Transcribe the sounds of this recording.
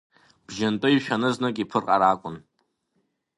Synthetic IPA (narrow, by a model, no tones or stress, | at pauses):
b̥ʒɪntʼɨiʃᶣanɨznɨkʼipʰɨrqʼaɾaːkʷʼʊn